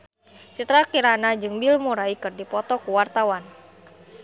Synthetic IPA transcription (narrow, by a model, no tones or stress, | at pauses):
t͡ʃut̪ɾakiɾanad͡ʒɨŋbilmuɾaikɨrdipɔt̪ɔkuwart̪awan